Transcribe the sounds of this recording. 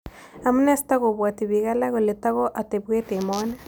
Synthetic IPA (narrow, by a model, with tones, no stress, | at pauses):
a˨mu˦ne˦st̪a˦ɣo˨bwa˨t̪i˨βi˨ɣa˦la˦ɣo˨le˨t̪a˦ɣo˦ʔa˨t̪e˨bwe˦t̪e˨mo˦na˦